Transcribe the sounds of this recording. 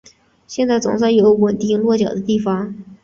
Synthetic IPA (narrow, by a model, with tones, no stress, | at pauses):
ɕjɛ˥˧nt͡sa˥˩ɪt͡sʊ̰˨˩ŋsa˥˩ɪjo˧˥ʊwə˨˩nt̪i˥˩ŋlwɔ˥˩t͡ɕjɑ̰˨˩ʊd̪ə˦t̪i˥˩fɑ˧˩ŋ